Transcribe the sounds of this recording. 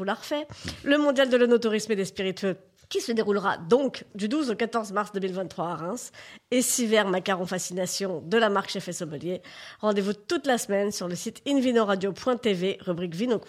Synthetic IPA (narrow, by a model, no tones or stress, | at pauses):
ulaʁfɛləmɔ̃d̪jald̪əlɔnot̪uʁismed̪espiʁit̪ø | kʲisəd̪eʁulʁa̰d̪ɔ̃kd̪yd̪uzokat̪ɔʁzmaʁsd̪əmilvɛ̃t̪ːχwaːʁɛ̃sesivɛʁmakaʁɔ̃fasinasjɔ̃d̪əlamaʁkʃɛfɛsɔməljeʁɑ̃d̪evut̪ut̪lasmɛnsyʁləsit̪invinoʁad̪jopwɛ̃t̪eveʁybʁikvinok